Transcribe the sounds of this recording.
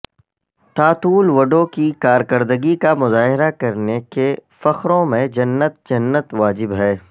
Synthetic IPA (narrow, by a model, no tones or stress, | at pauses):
t̪aːt̪uːlʋɐɖõkikaːɾkɐɾd̪əɡikamʊzaːɦɪɾakɐɾnekefɐxɾõmẽd͡ʒɐnːət̪̚d͡ʒɐnːət̪ʋaːd͡ʒɪbɦɛː